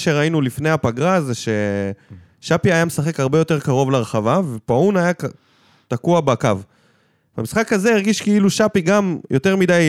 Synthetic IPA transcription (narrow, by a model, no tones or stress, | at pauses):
ʃeʁainulifne̞japaɡʁazeʃe̞ | ʃapiajamesaχe̞khaʁbejo̞t̪e̞ʁkaʁo̞vleʁeχavavepaunajak | t̪akuabekav | vamisχakaze̞iʁɡiʃkeiluʃapiɡamjʔo̞t̪e̞ʁmid̪aj